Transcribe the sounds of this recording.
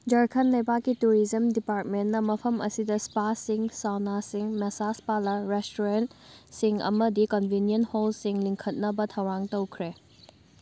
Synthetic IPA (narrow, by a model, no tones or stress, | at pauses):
d͡ʒɐɾkʰɐnlɐjbakːituɾizɐmdipaɾt̚menːɐmɐpʰɐmɐ̰sidɐspasiŋsawnasiŋmesaspalɐɾestuɾentsiŋɐ̰mɐdikɔnbʱinijɐnholsiŋliŋkʰɐt̚nɐbɐtʰɐwɾaŋtɐwkʰɾe